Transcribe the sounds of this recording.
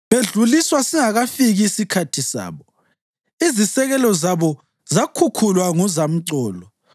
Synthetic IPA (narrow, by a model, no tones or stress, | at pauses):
βeɮuliswasiŋaɣafiɣiːsikʰatʰisa̰ːβɔ | izisɛɣɛlɔzaβɔ | zakʰukʰulwaŋɔzam̩ǀɔːlɔ